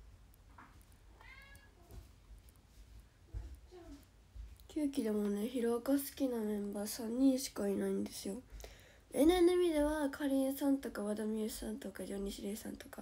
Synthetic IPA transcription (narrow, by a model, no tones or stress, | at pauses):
kʲʰɨːkʲid̪e̞mo̞ne̞çiɾo̞kasɨ̥kʲinamẽ̞mbaːsãɲ̟ːĩɰɕi̥kainaĩnd̪e̞sɨjo̞ | enẽnoimʲid̪e̞βakʰaɾʲiɯsãnt̪o̞kaβad̪amʲiɯsãnt̪o̞kaʑoɲ̟iɕiɾeːsã̰nt̪o̞ka